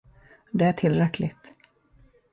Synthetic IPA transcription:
d̪ɛæʈʰɪlɾɛkʰlɪ̰ɡt̪

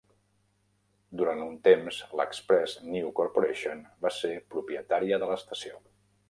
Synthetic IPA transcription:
d̪uɾant̪unt̪emzləkspɾɛzniukorpuɾeʃonbasepɾupiət̪aɾiəðələst̪əsio

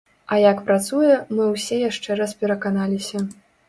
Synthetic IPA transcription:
ɐjɐkpɾat̪sujɛmɨwsʲɛjaʂt͡ʂɛɾaspʲɛɾɐkan̪alʲisʲɐ

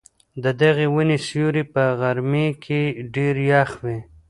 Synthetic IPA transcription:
d̪əd̪aɣewənesjuɾipəɣaɾmekʰeɖeɾjɑxwe

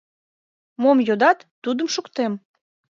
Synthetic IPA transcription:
momjod̪ɑt̪ːud̪əmʃukt̪em

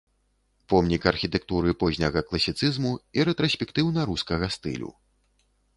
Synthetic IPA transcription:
pɔmnʲikɐrxʲit̪ɛk̚t̪uɾɨpɔzʲnʲɐɣɐklˠɐsʲit̪sɨzmuiɾɛt̪ɾɐsʲpʲɛkt̪ɨwnɐɾuskɐɣɐst̪ɨ̰lʲṵ

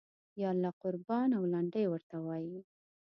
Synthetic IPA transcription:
jɑlɑqʊɾbɑnawlaɳɖəjwəɾt̪awɑji

